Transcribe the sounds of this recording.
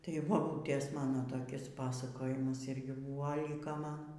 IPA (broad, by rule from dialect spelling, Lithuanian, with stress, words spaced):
tɐɪ bɐˈbuːtʲeːs ˈmɑːnoː toːˈkʲɪs ˈpɑːsɐkoːjɪmɐs ˈɪrʲɡʲɪ ˈbuːʋɐ ˈlʲɪkoː ˈmɐn